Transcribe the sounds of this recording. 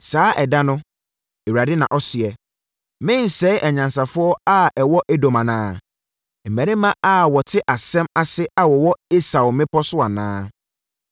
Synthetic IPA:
saː˦ʔɛ˨da˦nʊ̃˦ | e˨wa˨dɪ˦nã˨ʔɔ˦sɪ˨ɛ˨ | mɪ̃˦n˨sɛ˦ʔɛ˨ɲã˨nsa˨fʊ˦ɔ˦a˦ɛ˨wɔ˦ʔɛ˦do˨mã˨nãː˦ | m̩˨mæ̃˨ɾɪ̃˦mã˦a˦wɔ˨tʰɪ˦ʔa˨sɛ̃˦ma˨sɪ˦a˨wɔ˨wɔ˦e˦sa˨ʊ˨mɪ̃˦pʰɔ˦sʊ˦a˨nãː˦

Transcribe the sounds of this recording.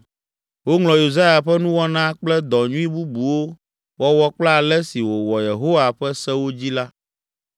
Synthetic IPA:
wo˦ŋlɔ̃˨ju˨za˦ja˨ɸɛ˦nũ˦wɔ˦nã˦k͡plɛ˦d̪ɔ˨ɲũ˦i˦bu˦bu˨wo˦ | wɔ˦wɔ˦k͡pla˦˨lɛ˦si˨wo˨wɔ˨je˨ɦo˦wa˨ɸɛ˦sɛ˦wo˦d͡ʑi˦la˦

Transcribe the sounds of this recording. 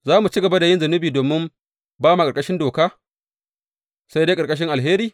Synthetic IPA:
zaː˦mu˨t͡ʃi˦ɡɐ˨ba˦da˨jɪ˦nzɐ˨nɪ˦biː˨doː˨mːɪ˦m | baː˦ma˨kʼɐ˨ɾkʼɐ˦ʃɪ˦ndoː˨kaː˦ | sa˦jde˦kʼɐ˨ɾkʼɐ˦ʃ̬ɪ˦ŋʔa˨lɦeː˦ɾiː˨

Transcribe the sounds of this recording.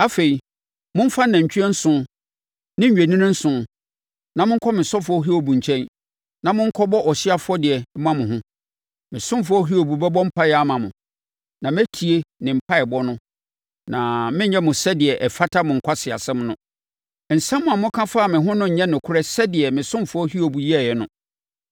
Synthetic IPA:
a˦fe˨i˨ | mʊ̃˦m̩˦fã˦nã˨ɲ̩˨t͡ɕʰᶣɛ˦n̩˦sʊ̃˦ | nɪ̃˦ɲ˨ɥe˨nĩ˦nɪ̃˦n̩˦sʊ̃˦ | nã˨mʊ̃˦kʰɔ˦mɪ̃˨sɔ˦fʊ˦ɔ˦ɦi˦o˨bũ˨ɲ˨t͡ɕʰɛ̃˦n | nã˨mʊ̃˦ŋ̩˦kʰɔ˦bɔ˦ʔɔ˨ɕɪ˦a˦fʊ˦ɔ˦dɪ˨ɛ˨˦mã˦mʊ̃˨ɦʊ̃˦ | mɪ̃˨sʊ̃˦m˦fʊ˦ɔ˦ɦi˦o˨bu˨bɛ˦bɔ̃˦m̩˦pʰa˦jɛ˨˦a˦mã˨mʊ̃˨ | nã˨m˦æ˦tʰi˨e˦nɪ̃˨m̩˨pʰa˦ɛ˨bɔ˦nʊ̃˦ | nã˨mɪ̃˦ɲ˦ɲɛ̃˦mʊ̃˨sɛ˦dɪ˨ɛ˨ʔɛ˨fa˦tʰa˦mʊ̃˨ŋ̩˨kʷʰa˦sɪ˨a̰˨sɛ̃˦mnʊ̃˦ | n̩˨sɛ̃˦mːʊ̃˨a˨mʊ̃˦kʰã˦faː˦˨mɪ̃˨ɦʊ̃˦nʊ̃˦ɲ̩˨ɲɛ̃˦nʊ̃˨kʰʊ˦ɾɛ˦sɛ˦dɪ˨ɛ˨mɪ̃˨sʊ̃˦mfʊ˨˦ɔ˦hi˦o˨bu˨ji˦ɛ˨jɛ˨nʊ̰̃˦

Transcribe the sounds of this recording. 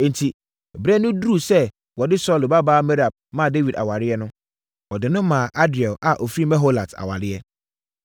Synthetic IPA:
ɛ̃˨n˨tʰi˨ | bɾɛ˦nːʊ̃˦du˦˨sɛ˦ | wɔ˨dɪ˦sɔ˦˨lo˨ba˦baː˦mɛ˦ɾa˨b̚mã˦˨de˦wi˨da̰˨wa˨ɾɪ˦ɛ˦nʊ̃˦ | wɔ˨dɪ˨nʊ̃˦mãː˨ʔa˦dɪ˨ɔ˨lʔa˨ʔɔ˨fɾi˦mɛ̃˦ɦo˦la˨tʰa̰˨wa̰˨ɾɪ˦ɛ˦

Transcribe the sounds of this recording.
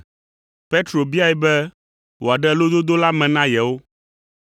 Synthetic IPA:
pe˦t̪ɾo˨bi˦a˦ɛ˨bɛ˦ | wo˨a˨ɖɛ˦lo˦d̪o˦d̪o˦la˦mɛ̃˨nã˦jɛ˨wo˦

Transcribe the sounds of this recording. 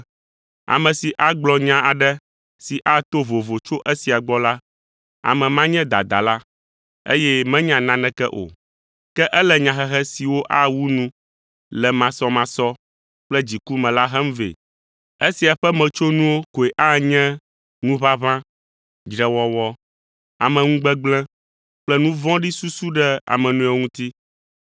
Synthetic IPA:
a̰˨mɛ̃˨si˨ʔa˦ɡ͡blɔ˨ɲã˦ʔa˨ɖɛ˦ | si˨ʔa˦t̪o˦vo˨vo˨t͡ʃo˦ʔɛ˦si˨a˨ɡ͡bɔ˦la˦ | a̰˨mɛ̃˨mã˦ɲɛ̃˦d̪a̰˨d̪a̰˨la˦ | ḛ˦jɛ˦mɛ̃˦ɲã˨nã˨nɛ̃˦kɛ˦ʔo̰˨ | kɛ˦ʔɛ˦lɛ˨ɲã˨xɛ˦ɦɛ˦si˨wo˦ʔa˦wu˦nũ˦ | lɛ˨mã˨sɔ˦mã˨sɔ˦ | k͡plɛ˦d͡ʑi˨ku˦mɛ̃˨la˦ɦɛ˦m̩˦vḛ˨ | e˦si˨a˨ɸɛ˦mɛ̃˨t͡ʃo˦nũ˦wo˦ko˨e˨ʔa˦ɲɛ̃˦ | nũ˦βa˦βã˦ | d͡ʒɾɛ˨wɔ˨wɔ˦ | a˨mɛ̃˨ŋũ˦ɡ͡bɛ˦ɡ͡blɛ̃˦ | k͡plɛ˦nũ˦vɔ̃˦ɖi˦su˦su˦ɖɛ˦a̰˨mɛ̃˨nũ˦ɛ˨ŋũ˦t̪i˦

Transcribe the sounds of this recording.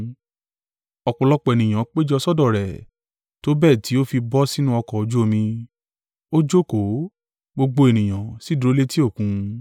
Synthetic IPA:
ɔ˨k͡pɔ̃˨lɔ˧k͡pɔ˨e˨nĩ˨j̃ã˨˦k͡pe˦d͡ʒɔ˧sɔ˦dɔ˦˨ɾɛ˨ | to˦bɛ˦˨ti˨˦o˦fi˧bɔ˦si˦nũ˦ɔ˧kɔ˨o˨˧d͡ʒu˦o˧mĩ˧ | o˦d͡ʒo˦ko˨˦ | ɡ͡bo˧ɡ͡bo˧e˨nĩ˨j̃ã˨si˨˦du˨˧ɾo˦le˦ti˦o˦˨kũ˨˧˦

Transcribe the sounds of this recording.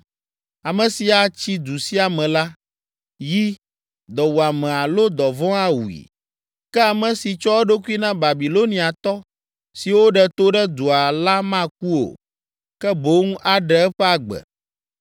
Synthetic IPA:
a˨mɛ̃˨si˨a˨t͡ɕi˦d̪u˨si˦a˨mɛ̃˨la˦ | ji˦ | d̪ɔ˨wu˨a˨mɛ̃˨a˨lo˦d̪ɔ˨vɔ̃˦a˦wṵ˨ḭ˨ | kɛ˦a˨mɛ̃˨si˨t͡ʃɔ˦wo˦ɖo˦ku˦i˦nã˦ba˨bi˨lo˦nĩ˦a˨t̪ɔ˦ | si˨wo˦ɖɛ˨t̪o˦ɖɛ˦d̪u˨a˨la˦mã˦˨k̚u˦o̰˨ | kɛ˦bo˦ŋũ˦ʔa˨ɖɛ˦ɛ˦ɸɛ˦a˦ɡ͡bɛ̰˨

